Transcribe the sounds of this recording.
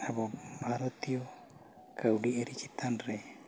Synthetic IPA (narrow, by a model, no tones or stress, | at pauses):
abɔbʱaɾɔt̪ijɔ | kəwɖieɾit͡ʃit̪anɾɛ